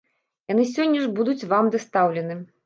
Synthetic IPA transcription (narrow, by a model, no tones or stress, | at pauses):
janɨs̬ʲɔnʲːɐʐbud̪ut͡sʲvamd̪ɐst̪awlʲɛnɨ